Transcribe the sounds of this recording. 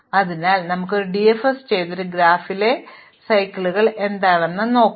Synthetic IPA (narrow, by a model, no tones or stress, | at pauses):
ɐðinaːlnɐmukːo̞ɾuɖiefest͡ɕe̞jt̪oɾuɡɾaːfile̞ | sɐjkːɐɭuɣɐɭʔe̞nd̪aːɭenːɨno̞ːkː